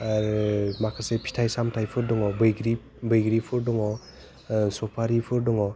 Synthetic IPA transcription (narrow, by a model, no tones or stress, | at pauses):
aɾmakʰasepʰi̥tʰajsamtʰajpʰɯɾdɔŋɔbɯjɡɾi | bɯjɡɾipʰɯɾdɔŋɔ | sɔpʰaɾipʰɯɾdɔŋɔ